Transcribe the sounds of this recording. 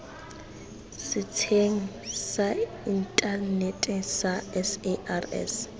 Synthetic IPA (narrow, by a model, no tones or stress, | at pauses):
sɪtʰeŋ̩sa | intʼanetʼsaɛsɛarɛ̰s